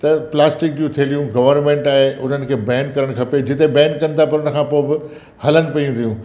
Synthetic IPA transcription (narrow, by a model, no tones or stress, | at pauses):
t̪ɐplaːsʈɪk̚d͡ʑũt̪ʰielijũɡɐʋəɾnmẽːɳʈaːɦeʔʊn̤ənɪ̆kʰeːbɛ̃ːɳ̚kːɐɾəɽ̃kʰɐped͡ʑɪt̪ebɛ̃ːnkɐ̃nɪ̆t̪ʰapɐɾʊnə̆kʰãːpoːɪbɪ | hɐlənɪ̆pɐjũt̪ʰijũː